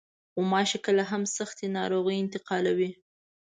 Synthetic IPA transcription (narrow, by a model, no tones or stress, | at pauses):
xomɑʃekəlaɦamsaxt̪enɑ̰ɾoɣəjɪnt̪ɪqɑlawi